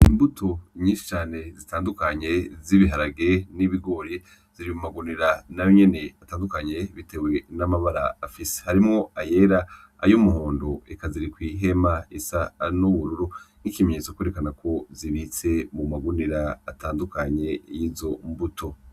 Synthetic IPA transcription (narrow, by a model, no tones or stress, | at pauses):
imbutʰo̞ɲiːnʃi̥t͡ʃaːne̞zitaːndukaɲe̞ziβiɦaɾaɡeniβiɡo̞ɾe | z̥iɾimumaɡuniɾanajoɲe̞ne̞ataːndukaɲe̞βite̞ɡwe̞namaβaɾaːfise̥haɾimŋo̞aje̞ɾa | a̰jomuɦoːndoekaziɾikwiːɦe̞maisanuβuɾuɾu | ŋikime̞ɲet͡sokweɾekanakʰo̞ziβit͡se̞mumaɡuniɾaːtʰaːndukaɲe̞jiːzo̞mbutʰo̞